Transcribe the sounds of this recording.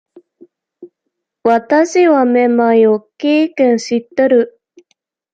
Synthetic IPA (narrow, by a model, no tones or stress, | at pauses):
βat̪aɕiβamemajokeːkẽɰ̃ɕit̪ːeɾɯ̟